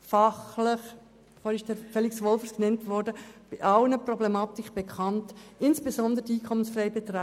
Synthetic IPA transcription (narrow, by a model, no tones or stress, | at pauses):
fɑχləχ | fɔɾɪʃd̥əɾfɛliksʋɔlfəsknɛntʋɔɾdəb̥ɪʔɑlnəprɔblemɑːtɪkb̥ekʰɑntɪnsb̥ezɔnd̪əɾədiːkʰɔmənsfrɛjbetɾa